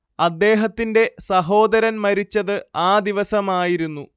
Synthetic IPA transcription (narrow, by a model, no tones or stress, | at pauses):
ɐd̪ːe̞ːɦɐt̪ːinde̞sɐɦo̞ːd̪ɐɾɐnmɐɾit͡ɕːɐðɨaːd̪iʋɐsɐmaːjiɾunːu